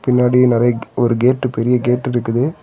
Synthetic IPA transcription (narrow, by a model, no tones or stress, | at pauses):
pɪnːaːɽinɪɾɐjɐɔɾɯɡeːʈːɯpɛɾɪjɐɡeːʈːɪɾɯkːɯðɯ